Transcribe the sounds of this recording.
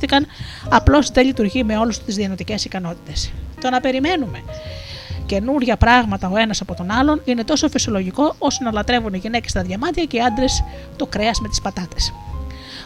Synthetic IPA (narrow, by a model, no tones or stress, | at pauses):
θikɐnɐplo̞sðe̞ʎit̪uɾʝime̞o̞lust̪izðiɐno̞t̪ice̞sikɐno̞t̪i̥t̪e̞st̪o̞nɐpe̞ɾime̞nume̞ | ce̞nuɾʝɐpɾɐɣmɐt̪ɐo̞e̞nɐsɐpo̞t̪o̞nɐlo̞nine̞t̪o̞so̞fisio̞lo̞ʝiko̞o̞sonɐlɐt̪ɾe̞vuniʝine̞cest̪ɐðʝɐmɐt̪çɐce̞iɐnd̪ɾe̞s | t̪o̞kɾe̞ɐzme̞t̪i̥spɐt̪ɐt̪es